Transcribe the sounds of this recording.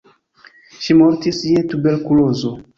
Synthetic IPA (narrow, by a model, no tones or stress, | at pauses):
ʃimo̞ɾtisietube̞ɾkulo̞zo